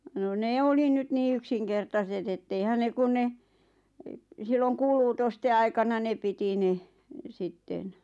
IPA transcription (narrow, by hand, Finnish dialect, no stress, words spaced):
no neː oli nyt niː yksiŋkertɑset etːeihæn ne kun ne silːoŋ kuːluːtoste ɑikɑnɑ ne piti ne sitːen